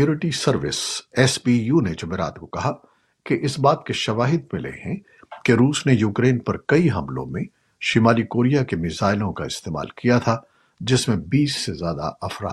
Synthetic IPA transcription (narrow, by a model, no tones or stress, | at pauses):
oːɾɪʈisɐɾʋɪ̰sɛːsbiːjuned͡ʒʊmeːɾa̰ːt̪kokɐɦa | keʔɪsbaːt̪keʃɐʋaːɦɪd̪̚mɪlḛɦɛ̃ | keɾuːsnejuːkɾeːnpɐɾkɐiɦɐ̰̃mlõ̰mẽ | ʃimaːlikoːɾijakemɪzaːɪlõka̰ɪst̪eːma̰ːlkijat̪ʰa | d͡ʒɪsmẽbiːsːezjaːd̪a̰ɐfɾa̰ː